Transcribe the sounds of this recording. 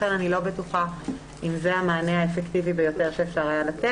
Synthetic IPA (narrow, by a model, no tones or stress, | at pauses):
enanilo̞betuχa | imzeamaːneaefektivibejo̞te̞ʁʃeːfʃaʁajalate